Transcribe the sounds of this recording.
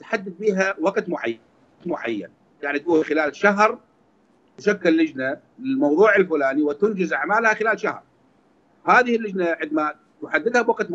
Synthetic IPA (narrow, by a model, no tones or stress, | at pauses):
t̪ħad̪ːɪd̪biːɦawaqt̪mʊʕa̰ | t̪mʊʕa̰jːa̰n | jaʕnit̪̚ɡuːnxɪlaːlʃaɦɾ | t̪aʃakːɪlːɪd͡ʒna | ɪlmɑwðˤuːʕɪlfʊlaːniwɪt̪ʊnd͡ʒɪzaʕmaːlhaxɪlaːlʃahɾˤ | haːðɪhɪlːɪd͡ʒnaʕɪd̪ma | t̪ʊħad̪ːɪd̪habwaqt̪m